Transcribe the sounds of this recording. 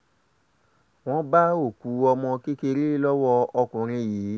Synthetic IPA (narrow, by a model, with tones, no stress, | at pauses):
w̃ɔ̃˦ba˦o˦˨ku˨˦ɔ˧mɔ̃˧ki˦ke˧ɾi˦lɔ˦wɔ˦ɔ˧kũ˨ɾ̃ĩ˧jiː˨˦